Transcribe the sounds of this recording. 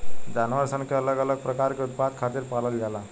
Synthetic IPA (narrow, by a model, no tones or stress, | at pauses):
d͡ʑanʋəɾsəŋkʰeələɡələɡ̚pɾəkaɾkut̪̚pad̪̚kʰat̪iːɾpaləld͡ʑala